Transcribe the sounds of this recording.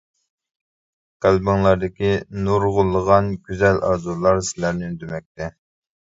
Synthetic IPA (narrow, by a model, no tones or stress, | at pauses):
qælbɪŋlˠɑɾd̪ɪkʲinuɾʁʊlˠːəʁɑnɡʲyzɛlʔɑ̰ɾd̪ulˠɑɾsɪlæɾnɪynd̪ymɛk̚ʲt̪ʰɛ